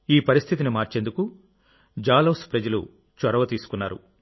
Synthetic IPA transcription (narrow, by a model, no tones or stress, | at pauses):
iːpɐɾist̪ʰit̪inimaːɾt͡ʃe̞nd̪uku | d͡ʒaːloːspɾɐd͡ʒɐlṵ | t͡ʃɐɾɐʋɐt̪iːsu̥kunːaːɾṵ